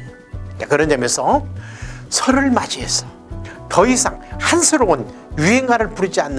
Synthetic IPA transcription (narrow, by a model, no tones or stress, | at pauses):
t͡ɕakɯɾʌndemjʌnsʰʌ | sʰʌɾɯɭmad͡ʑiɦes͈ʌ | tʌisʰaŋhansʰɯɾoun | juɦeŋaɾɯɭpuɾid͡ʑianːɯ